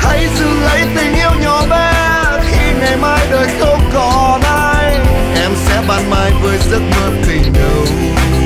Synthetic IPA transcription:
t̪ʰə˨˦jzɨ̰˧˨lə̰˧˥jt̪ï˨˩ŋ̟ʔi˧əwɲɔ˨˩ɓɛ˧ | xi˧ŋa˨˩jmaː˧jɗəː˨˩jxə˧wŋ͡mkɔ˧˨˩nʔaː˧j | ʔɛ˧msɛ̰˧˥ɓaː˧nmaː˧jvəː˨˧˦jzə˦˥t̚ɓəː˧˩nt̪ï˨˩ŋ̟ɗə˧w

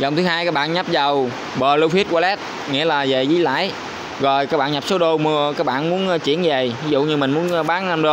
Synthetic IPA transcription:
zə˨˩ŋ͡mt̪ɨ˨˦ɦaː˧jkaː˦˥k̚ɓa̰ː˧˨nɲa˦˥p̚zə˨˩w | ɓəː˨˩lə˧wfʰi˦˥t̚waː˧lɛ˦˥t̚ | ŋḭ˧˥əlaː˨˩ze˨˩zḭ˧˦la̰ː˧˥j | ɣɔ˨˩jkaː˦˥k̚ɓa̰ː˧˨nɲa˨˩p̚so˨˦ɗo˧mɨ˧əkaː˦˥k̚ɓa̰ː˧˨nmu˨˦ənʔːt͡ɕḭ˧˥ənve˨˩vi˨˦zṵ˧˨ɲɨ˧mï˨˩ŋ̟mu˨˦nː˧ɓaː˨˦nʔa˧mɗo˧

